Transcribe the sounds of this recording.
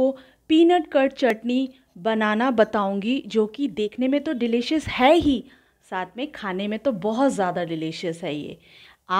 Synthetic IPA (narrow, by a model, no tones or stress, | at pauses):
o | piːnəʈkɐɾʈt͡ʃɐʈni | bɐnaːnabɐt̪aːũːŋɡid͡ʒoːkid̪eːkʰnemẽt̪oɖɪlɪʃəshɛɦi | saːt̪ʰmẽkʰaːnemẽt̪obɔɦʊt̪zjaːd̪aɖɪlɪʃəsɦɛːjḛː | aː